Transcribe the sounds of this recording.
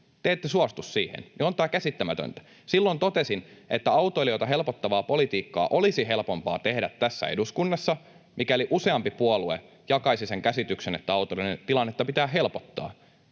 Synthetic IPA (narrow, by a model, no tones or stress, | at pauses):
t̪eːt̪ːesuɑst̪ussiːhḛnniont̪æːkæsit̪ːæmæt̪ø̰nt̪æ̥ | silːont̪ot̪esinet̪ːæɑwt̪oiliot̪ɑɦe̞lpot̪ːɑʋɑːpo̞lit̪iːkːɑ̰ːʔo̞lisiɦelpo̞mpɑ̰ːt̪ehdæt̪tæsːæ̰ḛduskunːɑsːɑ | mikæoliʔuseɑmpipuoluḛ | jɑkɑisiseŋkæsit̪yksenet̪ːæɑut̪olinent̪ilɑnːet̪ːɑpit̪æːɦelpot̪ːɑ̰ː